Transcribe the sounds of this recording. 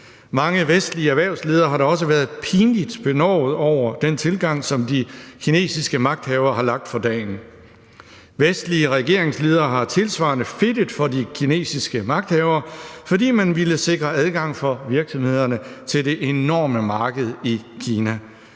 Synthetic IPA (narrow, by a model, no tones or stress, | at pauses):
mɑ̈ŋəʋesd̥liəæʋæɐʊsle̝ːð̞ˠɐɦɑ̈ɾɑ̈ɒ̽s̬əʋæːɐð̩ˠpʰiːnlid̥b̥e̝nɒ̰ʊð̩ˠɒʊ̰ɐd̥ent͡sʰe̝lɡ̥ɑ̈ŋ̰sɒ̽md̥ikʰine̝̰ːsisɡ̥əmɑ̈ɡ̥̚d̥hɛʊɐhɑ̈lɑ̈ɡ̥̚d̥fɒ̽d̥ɛ̰ːn | ʋesd̥liəʁɛɡ̥e̝ɐ̰e̝ŋsle̝ːð̞ˠɐːɦɑ̈t͡sʰe̝lsʋɑ̰̈ːnəfe̝d̥əð̩ˠfɒ̽dikʰine̝̰ːsisɡ̥əmɑ̈ɡ̥̚d̥hɛʊɐfɒ̽dḭːmænʋiləse̝ɡ̥ʁɐæðˠɡ̥ɑ̈ŋ̰fɒ̽ʋiɐɡ̥sɒ̽mhe̝ð̞̰ˠɐnət͡sʰe̝lde̝ʔe̝nɒ̰ːməmɑ̈ːɡ̥əð̞̩ˠikʰiːnæ